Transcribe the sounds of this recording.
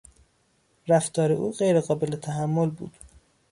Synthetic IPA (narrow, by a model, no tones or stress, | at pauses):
ɾæft̪ʰɒːɾe̞ʔuːɢejɾeɣɒːbe̞let̪ʰæɦæmːolbṵːd̪̥